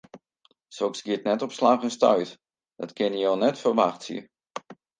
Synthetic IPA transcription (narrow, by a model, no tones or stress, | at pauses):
soksɡɪətnɛtɔpslaːxənstœ̰ɥt | d̥ɔtkʰɪnjəjoːnɛtfərʋaxtsjə̰